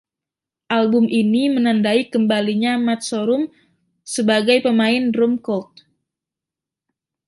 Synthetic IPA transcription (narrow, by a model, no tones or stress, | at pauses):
ʔalbʊminimənandaikəmbaliɲamat̪̚soɾʊm | səbaɡajpəmaɪnrʊmkɔlt̪̚